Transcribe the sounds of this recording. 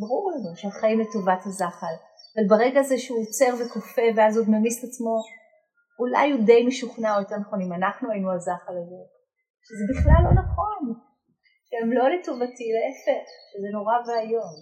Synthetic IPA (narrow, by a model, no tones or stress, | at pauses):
baʁuʁlanuʃeaχaimletovathazaχal | avalbaʁeɡazeʃeuot͡seʁvekofe̞veazodmemistat͡smo̞ | ula̰jude̞jmeʃuχnaot̪aʁnaχonimanaχnuajinuazaχalaze | ʃezebiχlalːo̞naχo̞n | ʃeemlo̞letovatileefeχʃezeno̞ʁaveajom